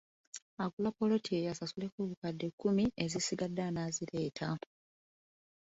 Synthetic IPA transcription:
aɡulapo̞lo̞tʰiejasasule̞kuβukadːe̞kːumiezisiɡadːanaziɾe̞ːtʰa

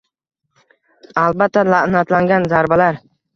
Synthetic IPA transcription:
albat̪ːalaʔnat̪laŋɡʲanzaɾbalaɾ

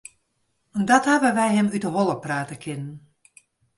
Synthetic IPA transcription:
ndɔtɦabəʋɛjɦɛmydəɦɔlˠəpraːtəkʰɪnən

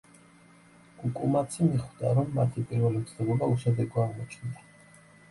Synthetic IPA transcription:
ɡ̥ukʼumat̪sʰimiχwd̪aɾɔmːat̪ʰipʼiɾvɛlimt̪sʰɛɡulauʃɛd̪ɛɡɔaʁmɔt͡ʃʰnia

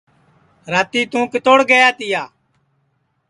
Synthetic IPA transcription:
ɾaːt̪iːt̪ũːkɪt̪oːɽɡəjaːt̪ɪjaː

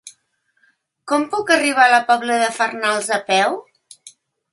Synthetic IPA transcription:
kɔmpukəriβ̞aləpɔβləðəfərnalˠzəpɛw

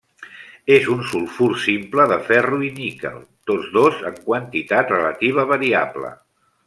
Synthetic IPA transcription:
ezunsulˠfuɾsimpləðəfɛruinikə̰lˠt̪od͡zðozəŋkwənt̪it̪at̪rələt̪iβ̞əβəɾiaβlə̰

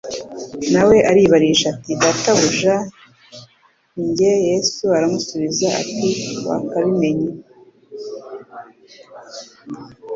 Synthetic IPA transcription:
nawe̞ʔaɾiβaɾiiʃatidataβuʒa | ɲɟe̞je̞suaɾamusuβizaa̰tiwa̰kaβime̞ɲi

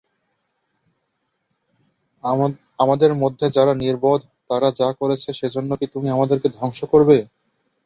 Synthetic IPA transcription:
amad̪eɾmod̪ʱːed͡ʑaɾaniɾbod̪ʱ | t̪aɾad͡ʑakoɾet͡ɕʰeʃed͡ʑonːokit̪umiamad̪eɾked̪ʱɔŋʃokoɾbe

